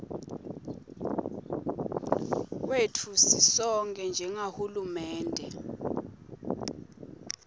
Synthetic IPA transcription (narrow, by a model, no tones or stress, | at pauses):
wetʰusisɔŋkʼɛnd͡ʒʱɛŋahulumɛːndʱɛ